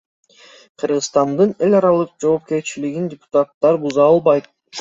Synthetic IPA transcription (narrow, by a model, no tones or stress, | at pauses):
qʰɯɾʁɯsst̪ɑnd̪ɯne̞lʲɑɾɑlˠɯq̚d͡ʒo̞ːp̚ke̞ɾt͡ʃiliɡindʲɪpʊ̥t̪at̪ːɑɾbuzɑɑlˠbɑjt̪̚